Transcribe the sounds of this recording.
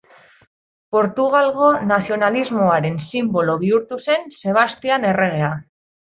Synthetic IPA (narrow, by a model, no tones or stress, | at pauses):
po̞ɾt̪uɣ̞alɣo̞nasio̞nalizmo̞aɾe̞nsimbo̞lo̞β̞iuɾt̪use̞nse̞β̞ast̪iane̞re̞ɣ̞e̞a